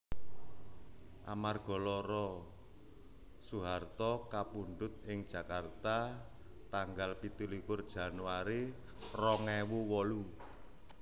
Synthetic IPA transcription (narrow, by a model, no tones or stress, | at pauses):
ʔamarɡ̥ɔ̤lɔɾɔ | suɦart̪ɔkapuɳɖ̪ʊt̪̚ɪŋd̥ʒ̥ä̤kart̪a | t̪aŋɡalpit̪ulikʊrd̥ʒ̥ä̤nwaɾi | rɔŋewuwɔlu